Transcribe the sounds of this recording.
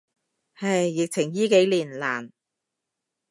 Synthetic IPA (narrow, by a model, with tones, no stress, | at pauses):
hɐ˨jːɪ˨k̚t͡sʰɪ˨˩ŋjiː˥ke˨˥jliː˨˩nlaː˨˩n